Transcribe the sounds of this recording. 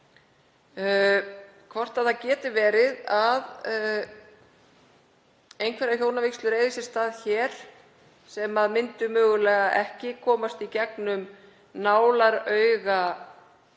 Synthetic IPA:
kʰvɔr̥t̪aðθacɛːt̪ɪvɛːɾɪðað | ejnkʰvɛɾaçjoːwnavekslʏɾeːjðvisɪ̥st̪aːðçɛːɾ̥ | sɛmaðmɪnt̪ʏmœːɣʏlɛːɣaʔɛhcɪkʰɔːmast̪icɛknʏm | naːwlaɾœːɥɣa

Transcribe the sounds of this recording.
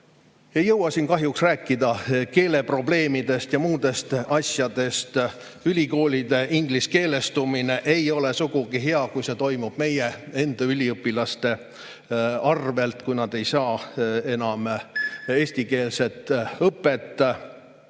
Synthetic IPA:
ejɤwɑsinkɑɦjuksræːkːˑid̪ɑke̞ːle̞pro̞ble̞ːmid̪e̞st̪jɑmuːd̪̥e̞st̪ɑsʲjɑd̪̥e̞st̪ylʲiko̞ːlʲid̪̥e̞ʔiŋɡ̥liske̞ːle̞st̪umine̞ʔejo̞le̞suɡ̥uɡ̥iɦeɑkujse̞t̪o̞jmub̥me̞je̞e̞nd̪̥ɑylʲiɤpːˑilɑst̪e̞ | ɑrve̞lt̪kujnɑd̪̥e̞jsɑːe̞nɑm | e̞ːsʲt̪ike̞ːlse̞t̪ˑɤpːˑe̞t̪ːˑ

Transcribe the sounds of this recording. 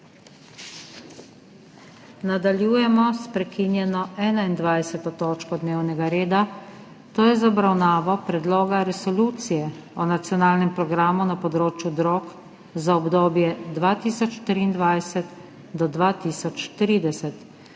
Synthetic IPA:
nad̪aljuːjɛmɔspɾɛkinjɛnɔɛːnaind̪ʋajsɛt̪ɔt̪oːt͡ʃkɔd̪neːwnɛɡaɾeːd̪a | t̪oːjɛzaɔbɾawnaːʋɔpɾɛd̪loːɡaɾɛsɔluːt̪sijɛɔnat̪sijɔnaːlnɛmpɾɔɡɾaːmunapɔd̪ɾoːt͡ʃjud̪ɾoːk | zaɔbd̪oːbjɛd̪ʋaːt̪iːsɔt͡ʃt̪ɾiːnd̪ʋajsɛt̪ | d̪ɔd̪ʋaːt̪iːsɔt͡ʃt̪ɾiːd̪ɛsɛt̪

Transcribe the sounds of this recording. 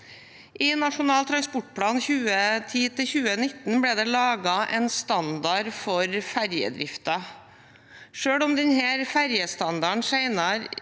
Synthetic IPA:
ʔiːnɑʂʊnɑːlt̪ʰɾɑnspʊʈ̚ːpʰɽɑːnçʉːət̪ʰiːt̪ʰɪlçʉːənɪt̪n̩bɽɛːd̪ɛːlɑːɡɑʔɛnst̪ɑnd̪ɑɾfɔɾfæɾjə̰d̪ɾɪ̰ft̪ɑ | ʂøːɽɔmd̪ɛnhæːɾfæɾjəst̪ɑnd̪ɑɳsæɪnɑɾ

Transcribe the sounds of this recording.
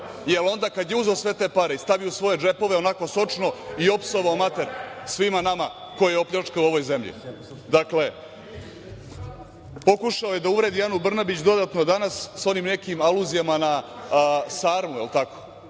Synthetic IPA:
jelo̞nd̪akad̪jeuzoːsʋe̞t̪epaɾe̞ist̪aʋiosʋo̞je̞d͡ʒe̞po̞ʋe̞o̞nako̞so̞t͡ʂno̞io̞pso̞ʋaomat̪e̞ɾsʋimanama | ko̞jejeo̞pʎʲat͡ʂkauo̞ʋo̞jze̞mʎḭ | d̪akle̞ | po̞kuʃaoje̞d̪auʋɾe̞d̪ijanubr̩nabit͡ɕd̪o̞d̪aːt̪no̞d̪anasːo̞nimne̞kimaluzijamana | saːɾmuilˠt̪ako̥

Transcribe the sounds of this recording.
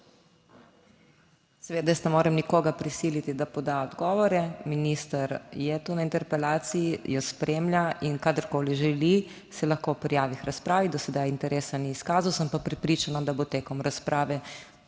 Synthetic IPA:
sɛʋeːd̪ajəst̪nɛmoːɾɛmnikoːɡapɾisiːlit̪id̪apɔd̪aɔd̪ɡɔːʋɔɾɛminist̪aɾjɛt̪uːnaint̪ɛɾpɛlaːt̪sijijɔspɾemlʲjainkad̪əɾkoːliʒɛli | sɛlɐxkopɾijaːʋixɾaspɾaːʋid̪ɔsɛd̪ajint̪ɛɾeːsaniːskaːzawsəmpapɾɛpɾiːt͡ʃanad̪abot̪eːkɔmɾaspɾʔaːʋɛ

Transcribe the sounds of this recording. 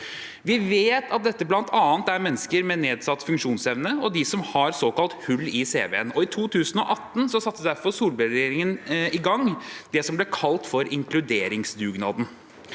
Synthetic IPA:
ʋɪʋeːt̪ɑt̪̚d̪ɛt̪ːəblɑnt̪ʰɑːnt̪æɾmɛnːəskəɾmɛneːd̪sɑt̪ːfʉŋkʂuːnsɛʋnəɔd̪ɪsɔmhɑɾsoːkɑlt̪hʉlːɪsḛːʋḛːənɔɪt̪ʰuːt̪ʰʉːsn̩ɔʔɑt̪ːn̩sɔsɑt̪ːəd̪æɾfɔɾsuːlbəɾd̪eːɾɪŋənɪɡɑŋːd̪ɛsɔmblɛkʰɑlt̪fɔɾɪŋkʰlʉd̪eːɾɪŋsd̪ʉːɡnɑ̰ːd̪n̩

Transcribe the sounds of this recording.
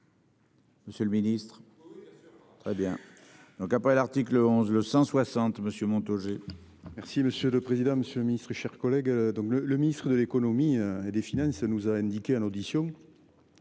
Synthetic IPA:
məsjələminist̪χ | t̪χɛbjɛ̃ | d̪̥ɔ̃kapχɛlaʁt̪ikləɔ̃zləsɑ̃swasɑ̃t̪məsjømɔ̃t̪oʒemɛʁsiməsjøləpχezid̪ɑ̃məsjøləminist̪χəʃɛʁkɔlɛɡd̪ɔ̃ŋklələminist̪χəd̪əlekonomiøed̪efinɑ̃sənuzaɛ̃nd̪ikeɛnod̪isjɔ̃

